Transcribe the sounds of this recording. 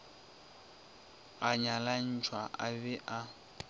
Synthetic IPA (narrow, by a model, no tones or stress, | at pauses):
aɲalan̩t͡ʃʰwaʔa̰bɛʔa